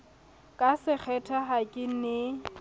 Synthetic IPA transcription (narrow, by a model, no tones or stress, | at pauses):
kʼasɪk͡xʰɛtʰaɦakʼɪn̩nɪ